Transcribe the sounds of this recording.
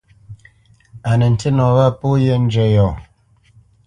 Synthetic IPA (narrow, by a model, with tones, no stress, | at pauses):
a˨nə˨n̩˨tə˦nɔ˨βa˦˨po˦je˦n̩˦d͡ʒɛ˨jɔ˨